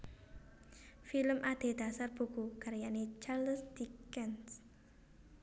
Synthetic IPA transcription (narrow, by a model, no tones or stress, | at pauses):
filəmʔad̪̥e̤d̪̥a̤sarb̥o̤ɡ̥ukaɾjanet͡ʃalsd̪̥ikɛns